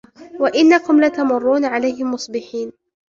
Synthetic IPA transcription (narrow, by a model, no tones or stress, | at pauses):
waʔɪnːakʊmlat̪amʊrˤːuːnaʕalajhɪmːʊsˤbɪħiːn